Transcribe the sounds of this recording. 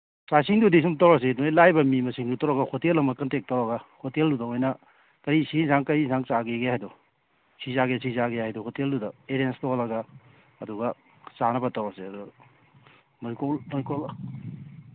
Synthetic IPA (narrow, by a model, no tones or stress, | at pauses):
sasiŋdudis̬umtɐwɾɐs̬eduneilajbɐmimɐsiŋdutɐwɾɐɡɐhotelɐmɐkɐntek̚tawɾɐɡɐhoteldudɐojnɐ | kɐɾisisaŋkɐɾisaŋsaɡeɡehajdɔ | sizaɡesizaɡeajdɔhʰoteldudɐeɾenstolɐɡaː | duɡɐ | sanɐbɐtɐwɾɐseɐdu | mojkolmojkol